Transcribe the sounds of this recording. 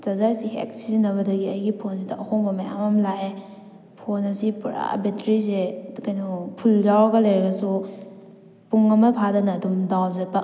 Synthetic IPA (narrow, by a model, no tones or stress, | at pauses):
zazaɾsihḛk̚sizinɐβɐdɐɡiɐjɡipʰons̬idɐɐhoŋbɐmaja̰mamlae | pʰonɐsipuɾa̰betɾis̬ekajnupʰuld͡ʒawɡɐlajɾɾasu | puŋɐmɐpʰadɐnɐːdumdawzapa